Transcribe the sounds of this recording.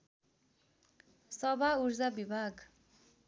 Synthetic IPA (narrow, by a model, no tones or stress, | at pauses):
sɔbauɾzabibaɡ